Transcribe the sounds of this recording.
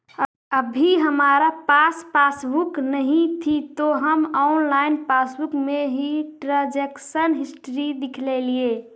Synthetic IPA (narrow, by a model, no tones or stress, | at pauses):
əbʱiɦəmaːɾapaspaːsbuknəɦĩt̪ʰit̪oɦəmɔʊnlaːɪnpasbukmeɦiʈɾad͡ʒeksənɦɪsʈɾid̪ɪkʰlelie